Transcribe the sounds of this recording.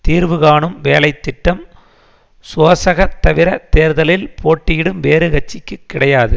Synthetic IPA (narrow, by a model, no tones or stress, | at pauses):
t̪iːɾʋɯɣaːɳɯmʋeːlɐɪt̪ːɪʈːɐm | soːsɐɣɐt̪ːɐʋɪɾɐt̪eːɾðɐlɪlpʰoːʈːɪjɪɽɯmʋeːɾɯɣɐt͡ʃːɪkːɯkːɪɽɐjaːðɯ